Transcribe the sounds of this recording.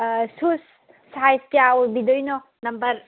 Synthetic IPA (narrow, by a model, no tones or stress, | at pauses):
sus | sajstijawbid̪ɔjnɔ | nɐmbɐɾ